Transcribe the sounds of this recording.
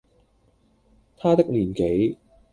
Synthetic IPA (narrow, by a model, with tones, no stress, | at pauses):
t̪ʰaː˥t̪ɪ˥k̚liː˨˩nke˨˥j